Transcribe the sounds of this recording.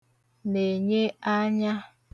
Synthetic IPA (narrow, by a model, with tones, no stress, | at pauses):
ne˨ɲe˦a˦ɲa˦